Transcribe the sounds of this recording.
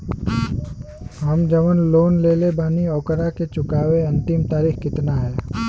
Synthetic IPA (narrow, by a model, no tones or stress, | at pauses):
ɦɐmd͡ʒəʋənloːnleːlebaːniɔːkəɾaket͡ʃʊkaːweɐ̃nt̪ɪmt̪aːɾiːxkɪt̪naɦɛː